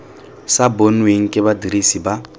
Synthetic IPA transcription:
sabonweŋ̩kʼɪbadiɾisiba

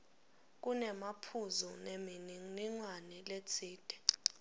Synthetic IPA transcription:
k̬ʼunɛmapʰuzɔnniŋ͡ǀwanɛlet͡sʰiːd̥ʱɛ̥

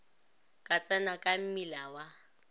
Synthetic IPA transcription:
kʼat͡sʼanakʼam̩milawa

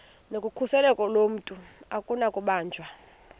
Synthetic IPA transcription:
nokʼukʰusɛlɛkʼɔlom̩tʼuakʼunakʼuɓaːnd͡ʒʱwa

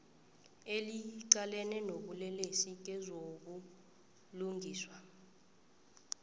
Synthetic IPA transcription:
eliǀalɛnɛnoɓulɛlesik̬ɛzok̬u | luŋɡʱiːswa

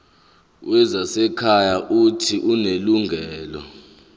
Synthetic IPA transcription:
wɛzasɛkʰajaʔutʰiʔuneluŋʱɛːlɔ̰

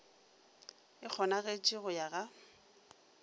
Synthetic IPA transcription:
ɪk͡xʰɔnaɣet͡ʃʼiɣʊjaɣa

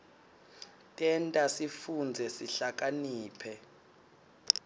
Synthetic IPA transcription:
tʼɛntʼasifund͡zʱɛsiɬak̬ʼaniːpʰɛ

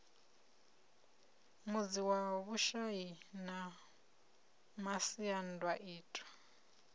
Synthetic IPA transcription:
mud͡ziwaβuʃajina | masiandwaʔiːtʼwḁ

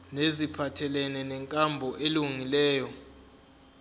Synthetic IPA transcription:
nezipʰatʰɛlɛnɛnɛŋkʼambʱɔʔeluŋilɛːjɔ

